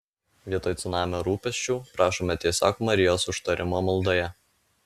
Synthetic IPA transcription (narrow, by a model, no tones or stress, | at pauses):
ʋʲiɛt̪oːjt̪sʊnɑːmʲoːɾuːpʲɛsʲt͡ʃʲuːpɾɑːʃoɔːmʲɛt̪ʲeːsʲɑ̰ːkumɐɾʲɪjoːsʊʃt̪ɐɾʲʔɪmoːmɐlˠˑd̪oːjɛ